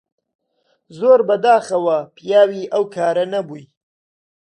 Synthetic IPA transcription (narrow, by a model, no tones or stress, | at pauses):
zoːɾbɐd̪aːxɐwɐpʰijaːwiːʔɐwkʰaːɾɐnɐbuj